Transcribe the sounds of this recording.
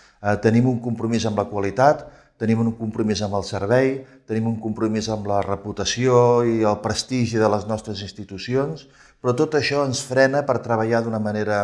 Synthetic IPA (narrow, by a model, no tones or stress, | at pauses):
ɛt̪ənimuŋkumpɾumizəmbləkwəlit̪at̪ː | ənimuŋkumpɾumizəmbəlˠsəɾβ̞ɛjt̪ənimuŋkumpɾumizəmlərəput̪əsioiəlˠpɾəst̪iʒiðələznɔst̪ɾəzinst̪it̪usions | pɾɔt̪ot̪əʃɔənsfɾɛnəpəɾt̪ɾəβ̞əʎaðunəməneɾə